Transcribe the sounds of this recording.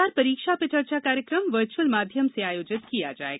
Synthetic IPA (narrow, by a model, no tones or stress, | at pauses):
aːɾpɐɾiːkʃapet͡ʃɐɾt͡ʃakaːɾjəkɾəmʋəɾt͡ʃuəlmaːd̪ʱjəmseaːjoːd͡ʒɪt̪kijad͡ʒa̰ːḛːɡ